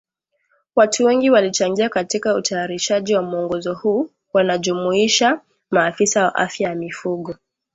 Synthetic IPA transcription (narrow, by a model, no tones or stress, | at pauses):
watuwɛŋɡiwalit͡ʃaŋɡiakatikautajaɾiʃaʄiwamuɔŋɡɔzɔhuː | wanaʄumuiʃa | maːfisawa̰ʔa̰fjajamifuɠɔ